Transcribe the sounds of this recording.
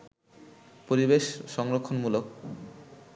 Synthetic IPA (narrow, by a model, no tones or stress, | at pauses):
poɾibeʃʃɔŋɾokʰːonmulok